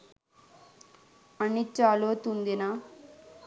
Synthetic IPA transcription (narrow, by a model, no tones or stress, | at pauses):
ɐɳːit͡ʃːaːloːt̪und̪ina